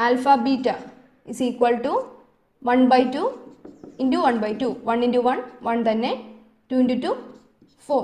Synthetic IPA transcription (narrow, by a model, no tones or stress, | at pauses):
alfabiːʈa | isiːkwɐlʈu | ʋɐnbɐjʈːu | inɖuʋɐnbɐjʈːuʋɐnĩnɖuʋɐnʋɐnt̪ɐnːe | ʈuːinɖuʈu | foː